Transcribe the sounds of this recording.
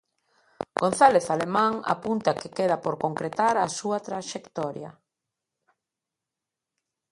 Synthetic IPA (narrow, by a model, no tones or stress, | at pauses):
ɡ̥on̟θaleθalemãŋa̰punt̪akekeðapoɾkoŋkɾet̪aɾasuat̪ɾaʃekt̪ɔɾja̰